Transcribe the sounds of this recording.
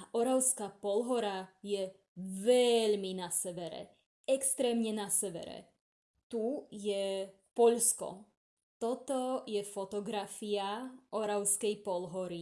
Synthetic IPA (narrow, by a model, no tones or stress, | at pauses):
ʔɔɾaʊskaːpɔlɦɔɾajɛ | ʋɛʎminasɛʋɛɾɛ̰ | ɛkst̪ɾɛːmɲɛnasɛʋɛ̰ɾɛ̰ | t̪ujɛ | pɔʎskɔ̰ | t̪ɔt̪ɔjɛfɔt̪ɔɡɾafiaʔɔɾaʊskɛjpɔlɦɔɾi